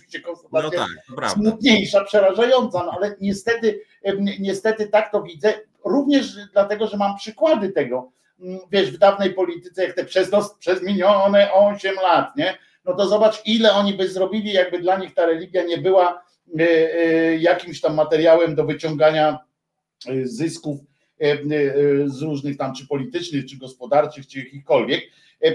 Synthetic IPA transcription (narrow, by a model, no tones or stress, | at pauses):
vʲiɕt͡ɕɛkɔ̃nsult̪at̪sjasmut̪̚ɲejʂapʂɛɾaʐajɔnt̪sanɔalɛɲɛst̪ɛt̪ɘ | ɲɛst̪ɛt̪ɘt̪akt̪ɔvʲid̪zɛ | ɾuvɲɛʐd̪lat̪ɛɡɔʐɛmampʂɘkwad̪ɘt̪ɛɡɔ | vʲjɛʐvd̪avnɛjpɔlʲit̪ɘ̥t̪sɛjak̚t̪ɛpʂɛznɔspʂɛzmʲiɲɔnɛʔɔɕɛmlat̪ɲɛ | nɔt̪ɔzɔbat͡ʂilɛɔɲibɘzɾɔbʲilʲijaɡ̚bɘd̪laɲixt̪aɾɛlʲiɡʲjaɲɛbɘwa | jakʲimɕt̪amːat̪ɛɾjawɛmd̪ɔvɘt͡ɕɔŋɡaɲa | zɘskuf | zɾuʐnɘxt̪amt͡ʂɘpɔlʲit̪ɘt͡ʂnɘxt͡ʂɘɡɔspɔd̪aɾt͡ʂɘxt͡ʂɨjakʲixkɔlvʲjɛk